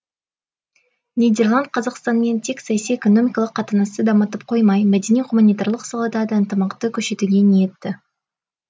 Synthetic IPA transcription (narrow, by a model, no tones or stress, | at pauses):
nijd̪e̞rlˠand̪̚qʰɑzɑqst̪ɑnme̞nt̪ʰe̞ksɑjɑsijeko̞no̞mʲijkɑlˠəqʰːɑt̪ənɑst̪əd̪ɑmət̪əp̚qʰo̞jmɑjmæd̪e̞niʁumanʲijt̪arlˠəqsɑlˠɑd̪ɑd̪əənt̪əmɑqt̪əkʲʰɵʃe̞t̪uɡʲenijep̚t̪ɪ